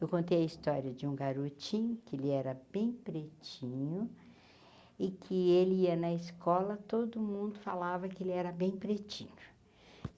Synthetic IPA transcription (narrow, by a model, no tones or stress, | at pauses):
ewkõnt̪ejɐist̪ɔɾiɐd͡ʒɪũɡaɾot͡ʃĩʊkɪelɪɛɾɐbẽj̃pɾet͡ʃĩɲʊ | ɪkʰɪelɪiɐnɐɪskɔlɐt̪od̪ʊmũnd̪ʊfalavɐkɪelɪɛɾɐbẽj̃pɾet͡ʃĩɲʊ̥